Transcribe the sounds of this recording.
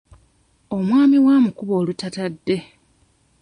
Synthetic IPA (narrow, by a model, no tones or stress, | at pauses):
o̞mwaːmiwaːmukuβo̞ːlutatadːe̞